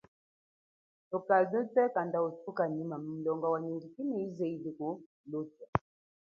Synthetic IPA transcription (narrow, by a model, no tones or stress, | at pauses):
tukalutɛkandautukanimam̩n̩lɔŋɡɔwaɲidikinɛizɛiliku | lutɛ